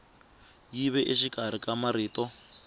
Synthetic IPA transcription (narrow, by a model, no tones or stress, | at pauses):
jiβɛʔiʃikʼaɾ̤ikʼamaɾiːtɔ